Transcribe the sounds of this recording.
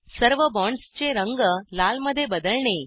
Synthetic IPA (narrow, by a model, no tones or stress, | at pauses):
səɾʋəbɔɳɖst͡ɕeɾəŋɡəlalməd̪ʱjebəd̪əɭɳe